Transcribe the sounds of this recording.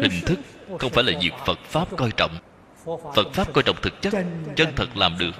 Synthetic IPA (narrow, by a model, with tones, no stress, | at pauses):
hï˨˩ŋ̟t̪ʰɨ˦˥k̚xə˧wŋ͡mfaː˧˩jlaː˨˩zi˨˩ək̚fə˨˩t̚faː˦˥p̚kɔ˧jt͡ɕɔ̰˧˨wŋ͡m | fə˨˩t̚faː˦˥p̚kɔː˧jt͡ɕɔ̰˧˨wŋ͡m̚t̪ɨ˨˩k̚t͡ɕə˦˥t̚t͡ɕə˧nt̪ʰə˨˩t̚laː˨˩mɗɨ˨˩ək̚